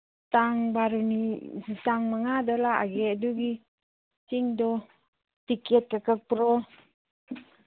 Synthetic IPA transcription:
t̪aŋbaɾunisit̪aŋmaŋadɔlaa̰ɡɛduɡi | siŋdɔ | t̪ikɛt̪̚kakək̚pɾɔ

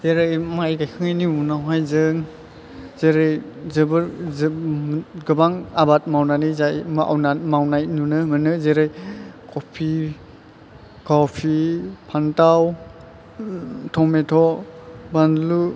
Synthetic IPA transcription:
zeɾɯjmajɡajkʰɯŋajniunawɦajzɯŋ | zeɾɯjzɯbɯɾz | ɡɯbaŋabat̚mawnanizajmʔa̰wnamawnajnunɯmɯnɯzeɾɯjkopʰi | kɔpʰipʰantaw | tʰɔmetʰɔbandlu

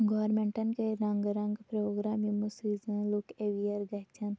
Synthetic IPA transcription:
ɡoːɾmẽɳʈɐnkeɾɐ̃ŋɡɾɐ̃ŋɡpɾoːɡɾaːmimusizənlukeʋijɐɾɡɐt͡ʃʰɐn

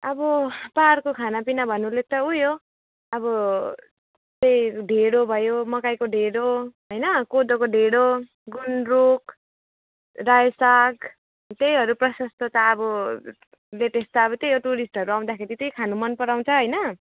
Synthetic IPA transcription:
ʌbʌparkokʰanapinabʱʌnulet̪ʌujo | ʌbʌ | t̪ejɖʱeɽobʱʌjomʌkajkoɖʱeɽoɦʌjnʌkod̪okoɖʱeɽo | ɡunnruk | rajsaɡ | t̪ejɦʌɾuprʌsʌst̪ʌt̪aʌbʌ | leʈest̪aʌbʌt̪ejoʈuɾisʈɦʌɾuaw̃d̪akʰeɾit̪ejkʰanumʌnpʌɾaw̃t͡sʰʌɦojnʌ

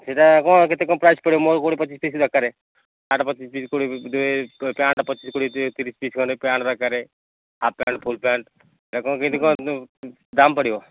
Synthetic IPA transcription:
seʈakɔ̃kɪt̪ekːɔ̃pɾaːɪspəɽiomoɾkoɽipət͡ʃiːspiːsɾəkːaɾe | aːʈpət͡ʃispiskoɽid̪uepãːɳʈpət͡ʃiːskoɽit̪iɾiːspiskɔepãːɳʈɾəkːaɾe | apːja̰ːɳʈ̚pʰulpãːɳʈ | eakɔ̃kɪt̪ekɔ̃ | d̪ampəɽio

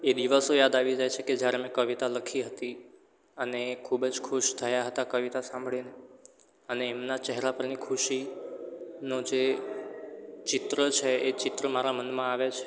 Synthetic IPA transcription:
ed̪iʋəsojad̪aʋid͡ʒajt͡ʃʰeked͡ʒjaɾemẽkəʋit̪aləkʰiɦət̪i | ənekʰubd͡ʒkʰuʃt̪ʰəjaɦət̪akəʋit̪asãmbʱɭine | əneːmnat͡ʃɛɦɾapəɾnikʰuʃi | nod͡ʒe | t͡ʃɪt̪ɾət͡ʃʰeet͡ʃɪt̪ɾəmaɾamənmãaʋet͡ʃʰe̥

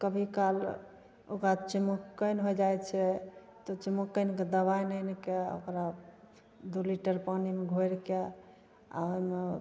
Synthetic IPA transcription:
kəbʱikal | okɾat͡ʃimokːəjnɦojd͡ʒajt͡ʃʰɛ | t̪ɔt͡ʃimukːənked̪əbajnəjnikeo̰kɾa | d̪uliʈəɾpanimeɡʱojɾke | a̰oime

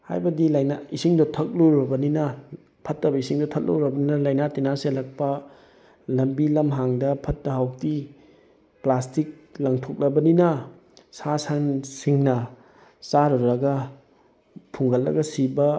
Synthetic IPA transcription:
ha̰jbɐdilajnaisiŋdotʰɐk̚loɾɐbɐninɐ | pʰɐtːɐbɐisiŋdotʰɐt̚lo̰wɾɐbɐninɐlajnatinaselɐk̚pɐ | lɐmbilɐmɦaŋdɐpʰɐtːɐɦawk̚ti | plastik̚ | lɐŋtʰok̚lɐbɐninɐ | sasansiŋnɐ | saɾɔɾɐɡɐ | pʰuŋɡɐlːɐ̰ɡɐsibɐ

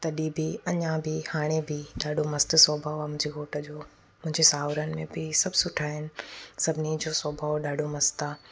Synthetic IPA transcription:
t̪ɐɗiːbiɐɲãbʱɪhaːɽ̃ebʱɪɗaːɗomɐst̪̆sɔːbʱaomʊ̃ɦɪ̃ɲd͡ʑiɦoːʈə̆d͡ʑoː | mʊ̃ɦɪ̃ɲd͡ʑesaːʋɾənɪ̆mẽbɪsɐbʱsʊʈʰaːɦɪnɪ̆sɐbʱɪnid͡ʑosɔːbʱaoɗaːɖomɐst̪aː

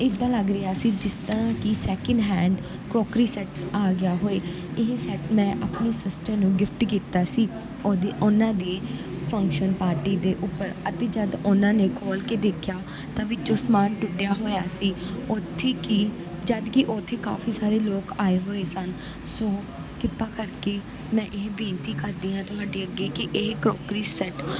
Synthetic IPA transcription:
ɪd̪ːãːləɡɾɪjaːsiːd͡ʒɪst̪əɾãːkɪsɛːkəɳɖɦɛ̃ːɳɖ | kɾoːkɾiːsɛʈaːɡɪjaːɦoːeː | ɪɦesɛʈmɛ̃ːʔapniːsɪsʈəɾnũːɡɪfʈkiːt̪aːsiː | od̪ʔʊnãːd̪eː | pʰə̃ŋkʃənpaːɾʈiːd̪eːʔʊpːəɾət̪eːd͡ʒəd̪ʊnãːneːkʰoːlkeːd̪eːkʰjaː | t̪ãːʋɪt͡ʃoːsmaːnʈʊʈːejaːɦoːjaːsiːʊt̪ʰːeːki | d͡ʒəd̪kɪʔot̪ʰːeːka̰ːfiːsaːɾeːloːkaːeːɦoːeːsən | sõː | kɪpːaːkəɾkeː | mɛ̃ːʔɪɦbẽːnt̪iːkəɾd̪iːãːt̪ʊɦaːɖeːəɡeːkɪʔɪɦkɾoːkɾiːsɛʈ

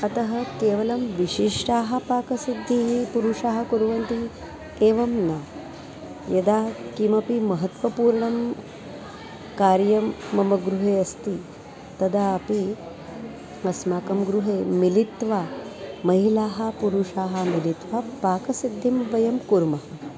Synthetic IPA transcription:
ɐt̪ɐɦɐkeːʋɐlɐmʋiʃiʂʈaːɦɐ̆paːkɐsid̪ʱːiɦipuɾuʂaːɦɐ̆kuɾʋɐnt̪i | eːʋɐmnɐ | jɐd̪aːkimɐpimɐɦɐt̪ʋɐpuːɾɳɐm | kaːɾjɐmːɐmɐɡɾuɦeːɐst̪i | t̪ɐd̪aːɐpi | ɐsmaːkɐmɡɾuɦeːmilit̪ʋaːmɐɦilaːɦɐ̆puɾuʂaːɦɐ̆milit̪ʋaːpaːkɐsid̪ʱːimʋɐjɐmkuɾmɐɦɐ

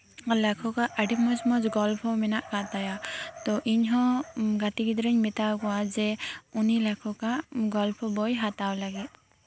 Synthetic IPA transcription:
lɛkʰɔkaʔəɖimɔd͡ʒmɔd͡ʒɡɔlpʰɔmɛnaʔkat̪ajat̪ɔʔiɲɦɔ̃ɡaʈiɡid̪ɾɛɲmɛt̪awkɔwad͡ʒɛunilɛkʰɔkaɡɔlpʰɔbɔjɦat̪awlaɡit̪̚ˀ

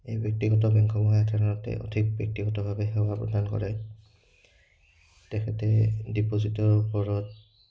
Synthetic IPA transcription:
ejbjɔk̚tiɡɔtɔbɛŋkʰɔmɔɦaatʰanaɹɔtɛ̰ʔɔ̰dʰʱik̚bjɔk̚tiɡɔtɔbʱabɛɦɛwapɹɔ̰dʱankɔ̰ɹɛ | tɛkʰɛtɛdipozitɔɹupɔɹɔt̚

